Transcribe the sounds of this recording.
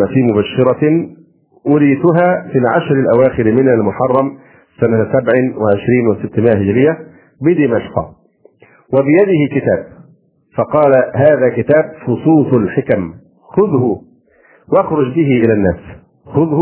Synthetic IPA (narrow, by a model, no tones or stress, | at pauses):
afiːmʊbaʃːɪɾˤɑ | wʊɾiːt̪ʊɦaːmɪnʕa̰ʃɾalʔawaːxɪɾmɪnalmʊħɑrˤːɑm | sanasabʕɪwɪʕɪʃɾiːnwɪsɪt̪ːmɪʔahɪd͡ʒɾɪjːa | bɪd̪ɪmaʃqɑ̰ | wɪbɪjad̪ɪhɪkɪt̪æːb̚ | fɑqɑːlaɦaːðæːkɪt̪aːb̚xʊsˤuːsˤʊlħɪkam | xʊðhʊ | wʔaxɾˤʊd͡ʒbɪɦɪʔɪlænːæːs | xʊðh